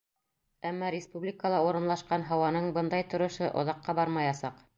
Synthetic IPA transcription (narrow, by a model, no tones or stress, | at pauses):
æmːɑɾʲɪspublʲikəlˠɑuɾɤ̆nlˠɑʃqɑnɦɑwɑnɤɴbɤnd̪ɑjt̪ŏɾŏʃɤʔŏ̰ðɑqːɑbɑɾmɑjɑsɑq